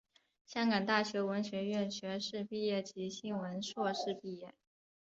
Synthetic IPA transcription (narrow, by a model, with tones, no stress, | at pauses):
ɕjɑ˥ŋkɑ˨˩ŋt̪a˥˩ɕɥɛ˧˥wə˧˥nɕɥɛ˧˥ɥɛ˥˩nɕɥɛ˧˥ʂɻ̩˥˧pi˥˧jɛ˥˩t͡ɕi˧˥ɕi˥nwə˧˥nʂwɔ˥˧ʂɻ̩˥˧pi˥˧jɛ˥˩